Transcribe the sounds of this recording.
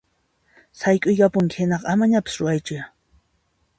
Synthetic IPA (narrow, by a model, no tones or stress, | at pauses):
sajkʼʊjkapʊŋkɪhɪnɑqɑamaɲapɪsɾʊajt͡ʃʊ